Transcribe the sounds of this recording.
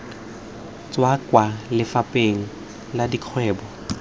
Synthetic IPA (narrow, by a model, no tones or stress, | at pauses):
t͡swakʼwalɪfapʼeŋ̩ | ladikʰwɛːbɔ